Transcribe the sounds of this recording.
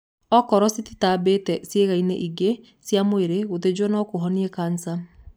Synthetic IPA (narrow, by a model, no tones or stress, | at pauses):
ɔkɔɾɔsititabetɛsjeɣaineʔiɡe | sjamoeɾeɣot̬ed͡ʒwɔnɔkoɦɔniɛkansa